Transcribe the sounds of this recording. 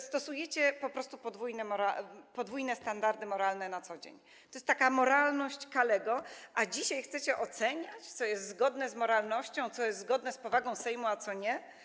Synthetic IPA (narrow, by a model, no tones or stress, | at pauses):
st̪ɔsujɛt͡ɕɛpɔpɾɔst̪upɔd̪vujnɛmɔɾapɔd̪vujnɛst̪and̪aɾd̪ɘmɔɾalnɛnat̪sɔd͡ʑḛɲ | t̪ɔjɛst̪t̪ːakamɔɾalnɔɕt͡ɕkalɛɡɔʔad͡ʑiɕajxt̪sɛt͡ɕɛʔɔt̪sɛɲat͡ɕt̪sɔjɛst̪zɡɔd̪nɛzmɔɾalnɔɕt͡ɕɔ̃w̃t̪sɔjɛst̪zɡɔd̪nɛspɔvaɡɔ̃w̃sɛjmuat̪sɔɲɛ